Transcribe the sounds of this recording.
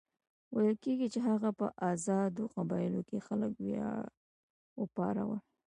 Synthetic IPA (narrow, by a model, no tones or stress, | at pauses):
wajəlkeɡit͡ʃeɦaɣapəʔazɑd̪oqabɑjɪlokexaləkwjɑ | wəpɑ̰ɾa̰wa